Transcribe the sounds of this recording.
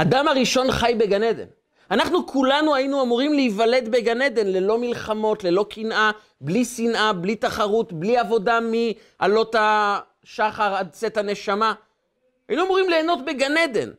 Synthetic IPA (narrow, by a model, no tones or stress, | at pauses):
ad̪amaʁiʃo̞nχajbe̞ɡaned̪e̞̰n | anaχnukʰulanuajinuamuʁimleivale̞d̪be̞ɡane̞d̪e̞nle̞lo̞milχamo̞tle̞lo̞kʰinʔa | blisinʔablit̪aχaʁut̪bliavo̞dami | ʔalo̞t̪a | ʃaχaʁad̚t͡se̞t̪ane̞ʃama | ajinuamuʁimleːno̞tbe̞ɡane̞d̪e̞̰n